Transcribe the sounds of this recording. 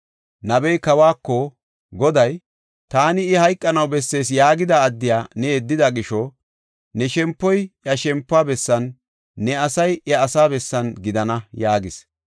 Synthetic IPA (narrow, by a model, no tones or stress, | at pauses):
nɐbɛjkɐwaːkːɔ | ɡɔd̪ɐj | t̪aːnɪːhɐjkʼːɐnɐwbɛsːe̞ːsjaːɡɪd̪aːd̪ːɪjaːnɛɛd̪ːɪd̪ɐɡɪʃɔ | nɛʃɛmpːɔjjɐʃɛmpːaːbɛsːɐnː | ɛɐsɐjʔɐːsaːbɛsːɐnɡɪd̪ɐnɐjaːɡɪs